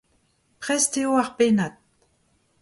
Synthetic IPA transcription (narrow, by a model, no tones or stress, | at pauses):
pʁɛsteoaχpenat̪̚